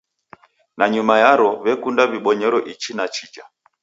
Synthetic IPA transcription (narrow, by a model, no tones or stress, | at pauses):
naɲumajaɾɔβɛkundaβiɓɔɲɛɾɔʔit͡ʃinat͡ʃid͡ʒa